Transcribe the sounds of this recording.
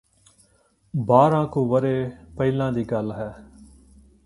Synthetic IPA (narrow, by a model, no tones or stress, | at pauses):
baːɾãːkũːʋəɾeːpəɪlãːd̪iːɡəlɦɛː